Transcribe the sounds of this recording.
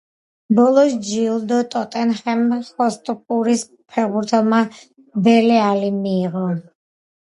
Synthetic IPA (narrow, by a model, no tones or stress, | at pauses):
bɔlˠɔsd͡ʒilˠd̪ɔt̪ʼɔt̪ʼɛnχɛmχɔst̪ʼpʼuɾis | pʰɛɾbuɾt̪ʰɛlˠma | bɛlɛalimiːʁɔ